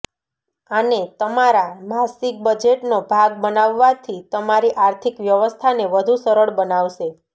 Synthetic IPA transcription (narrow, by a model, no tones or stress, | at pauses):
anet̪əmaɾamasik̚bəd͡ʒeʈnobʱaɡ̚bənaʋːat̪ʰit̪əmaɾiʔaɾt̪ʰikʋjəʋəst̪ʰaneʋəd̪ʱusəɾəɭbənaʋʃe